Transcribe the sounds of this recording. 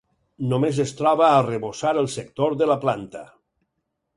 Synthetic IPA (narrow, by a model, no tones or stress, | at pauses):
nomezəst̪ɾɔβəːrəβosaɾəlˠsək̚t̪oɾðəlaplant̪ə